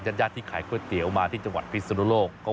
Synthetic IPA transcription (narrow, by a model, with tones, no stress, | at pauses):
t͡ɕa˧˥jaː˥˩t̪ʰːiː˥˩kʰaː˨˦jkʰɯ˥˩t̪i˨˩˦wmaː˧t̪ʰiː˥˩t͡ɕa˧ŋwa˨˩t̪̚pʰi˦˥sa˧nu˧˥loː˥˩kkːɔː˥˩